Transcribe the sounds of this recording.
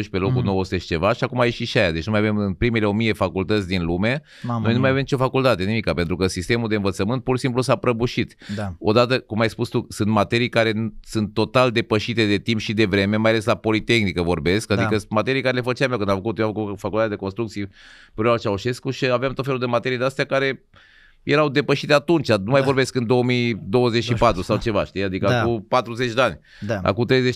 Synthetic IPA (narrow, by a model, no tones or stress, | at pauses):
uʃpe̞lo̞kunoosu̥t̪eʃi̥t͡ʃe̞vaʃiakumajeʃiʃiajad̪e̞t͡ʃnumajavemɨnpɾimeleomie̞fakult̪ət̪sʲd̪inlume̞ | nno̞jnumajavemit͡ʃo̞fakult̪at̪enimikape̞nt̪ɾukəsist̪e̞muld̪e̞ɨnvət̪səmɨnt̪̚puɾʃisimplusapɾəbuʃit̪o̞d̪at̪əkumajspust̪usɨnt̪mat̪e̞ɾijkaɾe̞nsɨnt̪ːo̞t̪ald̪e̞pəʃit̪e̞d̪e̞t̪impʃid̪e̞vɾe̞me̞majaleslapo̞lit̪e̞xnikəvo̞̰rbe̞skad̪ikəmat̪e̞ɾijkaɾele̞fət͡ʃameowkɨnd̪amfəkut̪joafəkut̪fakult̪at̪ad̪ekonst̪ɾukt̪siepɾoat͡ʃauʃe̞skuʃiaveamt̪ot̪felud̪e̞mat̪e̞ɾijd̪east̪eakaɾe̞ | jeɾawd̪e̞pəʃit̪eat̪unt͡ʃanumajvo̞ɾbe̞skɨnd̪o̞wəmid̪o̞wəzet͡ʃʃipat̪ɾusawt͡ʃe̞va̰ʃt̪ijad̪ikəakupat̪ɾuzet͡ʃd̪eanʲ | a̰kut̪ɾejzet͡ʃ